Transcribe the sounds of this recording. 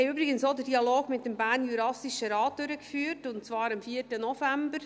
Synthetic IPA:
ɛjyːbɾɪɡənsodədiɑloːɡ̥mɪt̚d̥ɛmbæːɾnjyːɾɑsiʃəɾɑːt̚d̥øɾəkfyːɾtʊntt͡svɑːɾɑmfiːətənɔfæmbəɾ

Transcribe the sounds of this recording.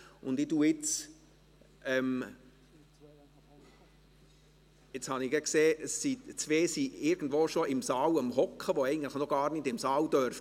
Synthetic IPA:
ʊndɪduːɪt͡s | ʔɛm | ɪt͡shɑnɪɡɛkseːʔəsːit͡sʋeːsiɪɾɡən̩dʋoːʃoʔɪmsɑːwəmhɔkχəʋoɛɪɡən̩tlɪəχnɔɡ̥ɑːrnɪdɪmsɑːwdœɾf

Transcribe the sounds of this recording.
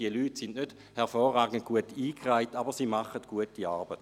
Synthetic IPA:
iəlyːtsindnød̥ | hɛʁfɔːrʁaːɡənt̚kuətiːkraɪtabəʁsiːmaχətɡ̥uətiarbət

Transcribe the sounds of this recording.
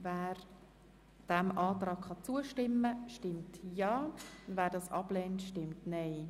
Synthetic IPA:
væːɾ | d̥ɛmʔɑːt̪rɑːkχɑt͡suəʃtɪmːəʃtɪmtjɑːʊvæːɾdɑsɑb̥lɛːntʃtɪmtnɛɪ

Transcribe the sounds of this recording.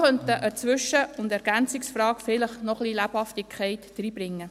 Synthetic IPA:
χœnt̪əʔət͡sʋʏʃəʊndɛɾɡ̥ænt͡sɪksfrɑːkfɪləχnɔχlilæphɑft̪ikʰχɛɪtd̥ɾiːb̥ɾɪŋːə

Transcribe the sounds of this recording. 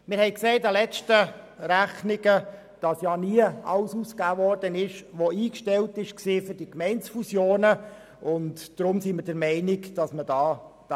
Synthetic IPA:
mɪɾhɛɪkseɪtɑlɛt͡ʃtə | ræχnɪɡə | d̥ɑsjɑːniəɑ̰lsuskæːʋɔrd̥ənɪʃʋoiːkʃtɛltɪʃksɪːfʏɾdikmɛɪnsfusjoːnə | ʊntd̥ɾʊmsimɪɾdəɾmɛɪnɪkd̥ɑsmədɑːd̥

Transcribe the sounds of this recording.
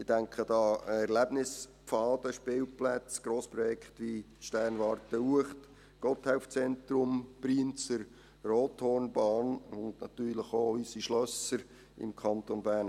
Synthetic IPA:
ɪd̥æŋkχədɑːɛɾlæb̥nɪspfɑːd̥əʃpɪːlplæt͡sɡ̥ɾoːspɾɔjɛkχtʋiʃtɛrnʋɑːɾtəuəχt | ɡ̥ɔt̪haʊft͡sɛntɾʊmpriənt͡səɾ | roːthɔːrnbɑːnʊndnɑt̪yːrləχoysiʃlœsəɾ | ɪ̰mkʰɑnt̪onbæːn

